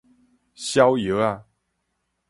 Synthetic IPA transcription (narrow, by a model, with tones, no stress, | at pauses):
ɕja˦wjə˨˦a˨